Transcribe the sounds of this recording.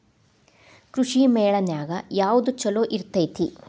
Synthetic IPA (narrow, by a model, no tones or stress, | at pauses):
kɾuʂimeːɭɐnjaːɡɐjaːʋud̪ut͡ʃɐloːʔiɾt̪ɐjt̪ʰi